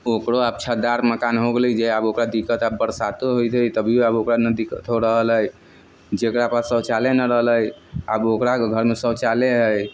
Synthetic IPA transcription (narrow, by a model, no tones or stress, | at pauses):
okɾoab̚t͡ʃʰad̪aɾməkanɦoɡelid͡ʒeabokɾad̪ikət̪abːəɾsat̪oɦojt̪ət̪əbʱiabokɾanəd̪ikət̪ɦoɾəɦələj | d͡ʒekɾapəsəwt͡ʃalenəɾəɦələjabokɾaɡʱəɾmesəwt͡ʃaleɦəj